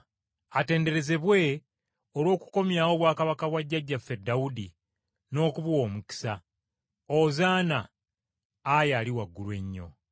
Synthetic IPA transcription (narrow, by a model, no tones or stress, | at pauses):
ate̞ːnde̞ɾe̞ze̞βwe̞ | olwo̞ːku̥ko̞mjaːwo̞βwaːkaβakaβwaɟːaɟːafe̞dːawudi | no̞ːkuβwo̞ːmuki̥sa | ozaːnaː | jaːliwaɡːulwe̞ɲːo̞̰